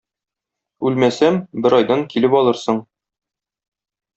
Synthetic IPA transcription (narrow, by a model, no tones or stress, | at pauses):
ʉlmæsæmbɘɾɒjd̪ɑŋkilɘpɒlˠɤɾsɤɴ